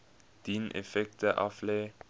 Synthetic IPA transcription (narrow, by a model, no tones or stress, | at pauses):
d̪̥iːnʔɛ̰fɛk̚t̪əʔɑ̰fleː